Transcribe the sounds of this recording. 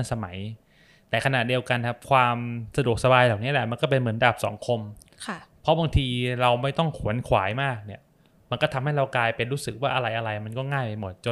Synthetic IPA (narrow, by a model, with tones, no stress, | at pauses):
nsa˧ma˩˦j | t̪ɛː˨˩kʰa˧na˨˩di˧əwka˧nkʰa˦˥p̚kʰwaː˧msa˧du˨˩ək̚sa˧baː˧jlaː˨˩w̚ni˦˥lɛ˨˩ʔma˧nkɔ˥˩p̬e˧nmɯ˩˦ənda˨˩p̚sɔ̰ː˩˦ŋkʰo˧m | kʰa˥˩pʰɔ˦˥baː˧ŋt̪ʰiː˧ɾa˧wma˥˩jt̪ɔ˥˩ŋkʰu˨˩˦ənkʰwa̰ː˩˦jmaː˥˩k̚ni˥˩ɐ | ma˧nkɔː˥˩t̪ʰa˧mha˥˩jɾa˧wkaː˧jpe˧nɾuː˦˥sɯ˨˩k̚waː˥˩ʔa˧ɾa˧jʔa˧ɾa˧jma˧nkɔː˥˩ŋaː˥˩jpa˧jmo˨˩t̪̚t͡ɕo˧